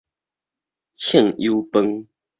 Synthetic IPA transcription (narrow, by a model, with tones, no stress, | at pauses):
t͡ɕʰɛ˥˨ŋju˦pə˦ŋ